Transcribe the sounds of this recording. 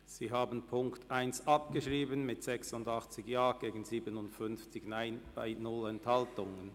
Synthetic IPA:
z̥iːɦaːbənpʰʊŋktʰʔaɪnsʔɑpɡ̥əʃʁiːbənmɪtz̥ɛksʊndɑχt͡sɪçjaːɡ̥eːɡən̩ziːbənʊntfʏnft͡sɪçnaɪnb̥a̰ɪnʊlɛnthaltʊŋən

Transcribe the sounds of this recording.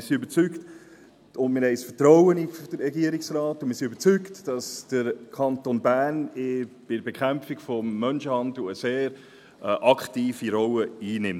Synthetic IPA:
ɪsiøbət͡sykt | ʊndmɪɾhɛɪsfətɾɔwənifd̥əɾɛɡiəɾiksrɑːtːʊnmɪɾsiøbəɾt͡syktd̥ɑsd̥əɾkʰɑntonbæːnɪb̥ɪdbekʰχæmfikfɔmːœnʃəhɑndl̩əseːɾ | ʔɑkχtiːfiɾɔwəiːnɪm

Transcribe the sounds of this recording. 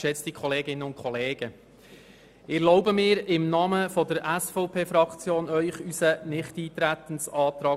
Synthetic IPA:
ʃɛt͡stikʰχɔleːɡɪnːəʊnt̚kʰχɔleːɡ̥ə | ɪlɔʊbəmɪːɾɪmnɑːməfɔdəɾʔæsfɔʊpʰeːfɾɑkt͡sjoːnœʏχysənɪχtiːt̪ɾæt̪ən̩sɑːt̪ɾɑː

